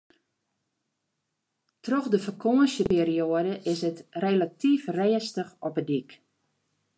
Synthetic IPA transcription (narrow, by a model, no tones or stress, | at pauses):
trɔxdəfərkʰoənsəpeːrioədəʔɪsətrelatʰifrɛəstəxɔpədik